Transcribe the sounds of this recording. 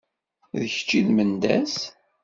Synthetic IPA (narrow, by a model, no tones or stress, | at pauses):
ðəçə̥t͡ʃːiðmənd̪æ̰s